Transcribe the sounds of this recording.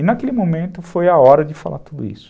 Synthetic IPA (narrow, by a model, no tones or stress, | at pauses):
ɪnakelɪmõmẽnt̪ʊfojaɔɾɐd͡ʒɪfa̰lʔa̰t̪ud̪ʊ̰ḭsʊ̥